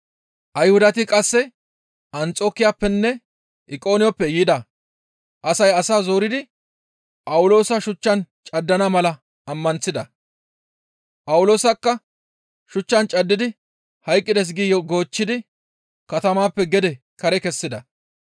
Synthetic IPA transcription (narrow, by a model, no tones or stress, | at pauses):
ʔɐjhʊd̪ɐt̪ɪkʼɐsːɛ | ʔɐnt͡sʼo̞ːkːɪjaːpːɛnːɛ | ʔɪkʼo̞ːnɪjɔpːɛjiːd̪ɐ | ʔɐsɐjɐsaːzoːɾɪd̪ɪ | pʼɐwʊlo̞ːsɐʃʊt͡ʃːɐnt͡ʃʼɐd̪ːɐnɐmɐlɐ | ɐmːɐnsɪd̪ɐ | pʼɐwʊlo̞ːsɐkːɐ | ʃʊt͡ʃːɐnt͡ʃʼɐd̪ːɪd̪ɪ | hɐjkʼːɪd̪ɛs̬ɡijɔɡo̞ːt͡ʃːɪd̪ɪ | kɐt̪ɐmaːpːɛɡɛd̪ɛ | kɐɾɛkɛsːɪd̪ɐ